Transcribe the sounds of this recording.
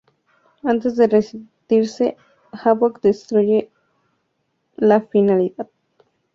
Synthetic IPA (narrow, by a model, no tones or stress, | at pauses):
ant̪esd̪eresit̪iɾse | haβokd̪est̪ɾuje | lafinaliðað̚